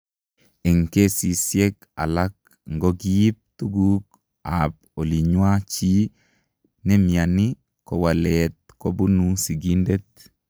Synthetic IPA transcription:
e˨ŋke˦si˨sje˦k | a̰˨la˦k̚ | ŋɡɔ˦ɡii˦p̚t̪u˦ɡu˦k | ap̚ | o˨li˨ɲwa˦t͡ʃi˦ | nɛ˦mja˨ni˦ | kɔ˨wa˨lɛt̪̚ko˦bu˦nusi˨ɡi˦nde˦t̪̚

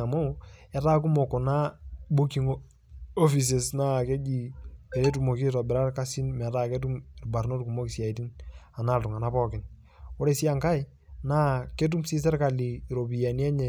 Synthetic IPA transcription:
a˨mo˦ɛ˨ta˦k̬u˦mo˨ko˨na˦bu˦ki˨ŋ | o˦fis̬e˨sna˦ke˦d͡ʒi˨ɛ˨ɾe˦t̬umo˨ki˦tɔ˨bɪ˨ɾa˦rka˦si˦nmɛ˨taː˦ke˦t̬u˦mɪ˨rba˨ɾno˦tku˨mo˦ki˨sja˨iti˦na˨na˦˨ltʊ˨ŋa˨na˦pɔ˦kɪ˦n | o˦ɾe˦si˦a˦ŋka˦j | na˦ke˦t̬u˦msi˦s̬ɛ˦rka˨li˨ɾo˨pi˨a˨ni˦ɛ˦ɲɛ˨

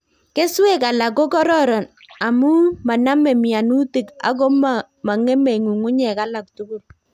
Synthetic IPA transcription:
ke˦swe˦˨ka˨la˨ko˦kɔ˦ɾɔ˦ɾɔ˨n | a˨mu˦ma˨na˦mɛ˨mɪ˨a˨nu˦ti˨ka̰˦ɡɔ˦m | ma˨ŋe˦me˨ŋu˨ŋʊ˦ɲɛ˨ka˦la˨k̚tu˦ku˦k̚

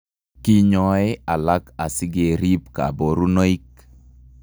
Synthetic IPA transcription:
ki˦ɲɔ˨e˦a˨la˦ka˨sɪ˦ɡe˨ɾi˦pka̰˨bo˨ɾu˦no˦i˦k

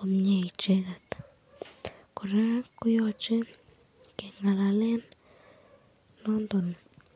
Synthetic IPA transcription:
o˧mɲe˧jt͡ʃe˧d̪a˨t̪ | ko˨ɾa˦ku˦jo˧t͡ʃe˦ | ke˨ŋa˧la˧le˦n | o˦nd̪o˨n

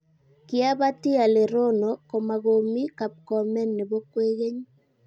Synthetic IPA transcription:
kɪ˦a˦ba˦tɪ˦a˨le˨ɾo˦no˨ko˨ma˨ɣo˨mi˦ka˨p̚kɔ˨mɛ˦nːe˨bo˦kwe˦ɣe˦ɲ

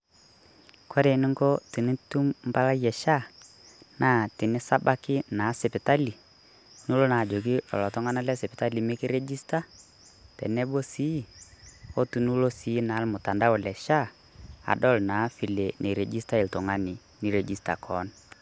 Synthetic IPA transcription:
kʰɔ˦ɾe˨nɪ˦ŋɡo˦ti˨nɪ˦tu˦mm˦ba˦la˦jɛ˨ʃa˦ | na˦˨tɪ˨nɪ˦sa˦ba˦kɪ˦na˨˦sɛ˨pɪ˨ta˦li˨ | nu˦lo˦na˨d͡ʒo˨k̬ɪ˦ɔ̰˨lɔ˨tɔ˦ŋa˦na˦lɛ˦sɛ˨pɪ˨ta˦li˨mɪ˦kɪ˦ɾɛ˦d͡ʒi˦sta˦ | tɛ̰˨nɛ˦bo˦si˦ | o˦tu˨nu˦lo˦si˨˦na˨˦lmʊ˨ta˨nda˦ʊ˨lɛ˨ʃa˦ | a̰˨dɔ˦˨lna˨˦fi˨le˨nʔe˨ɾɛ˨d͡ʒi˦sta˦ɪ˨ltʊ˨ŋa˦nɪ˨ | ni˨˦ɾe˨d͡ʒi˦sta̰˨kʰɔ˨˦n

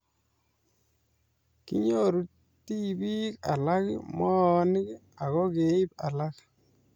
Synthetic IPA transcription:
kḭ˦ɲo˦ɾu˦ | ti˦bi˦ka̰˨la˦kḭmɔ˦nɪ˦k | a˨ɣɔ˦ke˨˦i˦pa̰˨la˦k

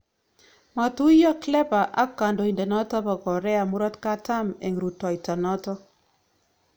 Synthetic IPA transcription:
ma˨tu˦jɔ˦klɛ˦pa˨ʔa˦ka˨ndo˨i˨ndɛ˨nɔ˦tɔ˦ba˨kɔ˨ɾɛ˦a˨mu˦ɾɔ˦tka˦ta˦mḛ˨ŋɾu˨tɔ˨i˨tɔ˨nɔ˦tɔ˦

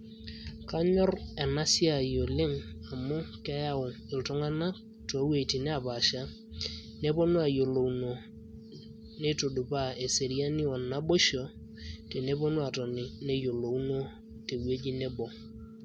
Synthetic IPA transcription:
ka˦ɲɔ˦rɛ˨na˦si˦a˨jo˨lɪ˦ŋa˨mʊ˦kɛ˦ja˦ʊ˨ | ɪ˨ltʊ˦ŋa˦na˦ | tɔ˨˦we˨ti˨nɛ˦a˨pa˨ʃa˦ | ne˦po˦nu˦a˨jo˨lo˨wno˨ | ne˦to˨du˨pa˦˨e˨se˨ɾi˦a˦nɪ˦ɔ˨na˦bo˦ʃɔ˨ | te˨ne˦po˦nu˦a˨tɔ˨nɪ˨ne˦jo˨lo˨wno˦ | te˨we˦d͡ʒi˦nɛ˦bɔ˨

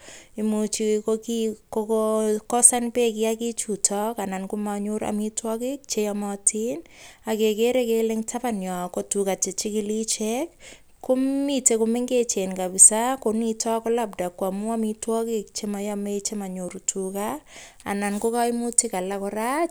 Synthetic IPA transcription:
imut͡ʃikokikokkɔ˦sa˦npe˦ki˦akit͡ʃutɔka˨na˨nkumaɲuɾa̰mitwɔki˦k̚t͡ʃejamɔtʰina˨ke˨ke˦ɾe˦kele˦ŋtʰa˦panjɔ˨ko˨tuka˨t͡ʃe˨t͡ʃi˦kilit͡ʃek̚ | ko˦mmite˨kume˦ŋɡe˦t͡ʃe˨nka˨bi˨sakonitɔkɔ˦lap̚da˨kːwa˨mu˦amitwɔki˦k̚t͡ʃe˦ma˨jame˦t͡ʃe˦ma˨ɲu˨ɾutʰuka | a̰˨na˨nko˦ka˦i˦mu˦ti˦ka˨la˦kɔ˧ɾa˦t͡ʃ

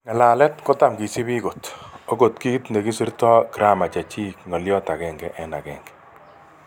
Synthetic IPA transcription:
ŋa˨laː˨lɛ˦tkɔ˦ta˦˨mki˨si˦bi˦ko˨to˦ko˨tki˦tne˨ki˦si˦ɾtɔ˦kɾa˦ma˨t͡ʃa˨t͡ʃi˦kŋɔ˨ljɔ˦ta˨kɛ˨ŋɡɛ˨ʔɛ˦na̰˨kɛ̰ː˨ŋɡɛ̥˨

